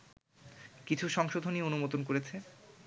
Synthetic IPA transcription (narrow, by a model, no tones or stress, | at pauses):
kit͡ɕʰuʃɔŋʃod̪ʱonieonumot̪onkoɾet͡ɕʰe